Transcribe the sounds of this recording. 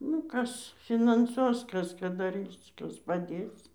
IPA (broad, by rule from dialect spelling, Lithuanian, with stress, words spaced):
ˈnʊ ˈkɐs fʲɪnɐnˈsuɔs ˈkɐs ˈkɑː dɐˈrʲiːs ˈkɐs pɐˈdʲeːs